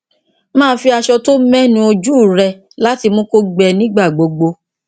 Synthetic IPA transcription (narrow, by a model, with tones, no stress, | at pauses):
mãː˦˨˦fi˧a˧ʃɔ˧to˦mɛ̃˦nĩ˦o˧d͡ʒu˦˨ɾɛ˧ | la˦ti˧mõ˦ko˦ɡ͡bɛ˧nĩ˦ɡ͡ba˦˨ɡ͡bo˨ɡ͡bo˧